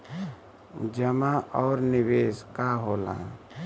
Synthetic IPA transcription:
d͡ʒəmaʔɔːɾnibeskaɦolã̰

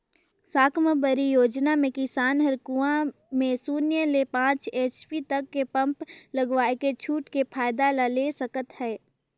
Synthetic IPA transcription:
saːkʰməbəɾijoːd͡ʒnamẽkɪsaːnɦəɾkuã | mẽsuːnjəlepãːt͡ʃeːt͡ʃpit̪əkːepə̃mpləɡʋaːeket͡ʃʰuːʈkepʰaːɪd̪alaleːsəkət̪hɛː

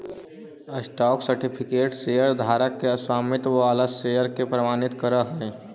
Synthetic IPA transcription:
əsʈɔːksəɾʈipʰikeːʈsejəɾd̪ʱaːɾəkːeəswaːmit̪aləsːejəɾkepɾəmaːnit̪kəɾəɦəe

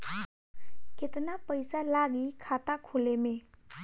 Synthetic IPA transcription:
ket̪napəjsalaɡikʰat̪akʰoleme

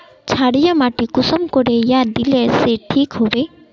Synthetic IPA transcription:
t͡ɕʰaɽijamaʈikusɔmkoɾejad̪ileɾseʈʰikɦobe

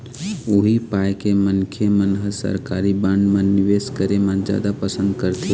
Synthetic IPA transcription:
oɦipajkemənkʰemənɦəsə̰ɾkaɾibãɳɖmə̃nːiʋeskəɾemand͡ʒa̰d̪apəsə̃nd̪kəɾt̪ʰi

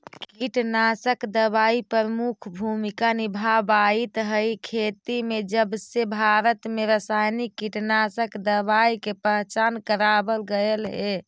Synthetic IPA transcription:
kkiʈnasəkd̪əbaipəɾəmukʰbʱumikanibʱabait̪ɦəikʰet̪imed͡ʒəbsebʱaɾət̪meɾəsajnikːiʈnasəkd̪əbaikepəɦt͡ʃankəɾabəlɡəelɦe

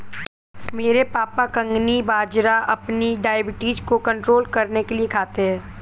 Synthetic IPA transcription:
meːɾepaːpakɐ̃ŋɡnibaːd͡ʒɾaʔɐpniɖaːjbɪʈiːd͡ʒkokɐ̃ɳʈɾoːlkɐɾnekeliekʰaːt̪eɦɛ̃ː

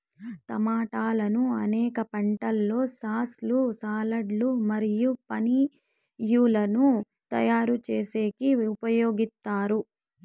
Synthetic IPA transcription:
t̪ɐmaːʈaːlɐnuɐnɛːkɐpɐɳʈɐlːo̞ːsaːslusaːlɐɖlumɐɾijupɐni | juːlɐnu | t̪ɐ̰jaːɾut͡ʃe̞ːse̞ːkiupɐjoːɡist̪ːaːɾu

